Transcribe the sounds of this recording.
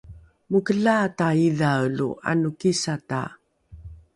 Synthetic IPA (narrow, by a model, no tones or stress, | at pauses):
mukəɮaːtaiðawlṵa̰nukisata̰